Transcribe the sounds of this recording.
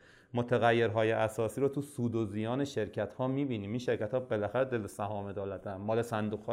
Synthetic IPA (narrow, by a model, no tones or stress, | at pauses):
mot̪ʰeɣæjːe̞ɾɦɒːjeʔæsɒːsiːɾoːt̪ʰusuːd̪ozijɒːneʃeɾcʰæt̪hɒːmiːbiːniːminʃeɾcæt̪hɒːbelæxæɾed̪elesæɦɒːmed̪ɒːlæd̪ænmɒːlesænd̪uɣ̥hɒː